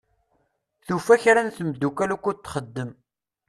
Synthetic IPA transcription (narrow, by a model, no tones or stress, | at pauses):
θufæçɾænθmd̪ːukælukːut̪ːχəd̪ːəm